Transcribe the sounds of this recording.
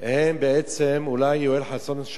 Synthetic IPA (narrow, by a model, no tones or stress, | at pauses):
hembeʔet͡semulajːoelħasonʃ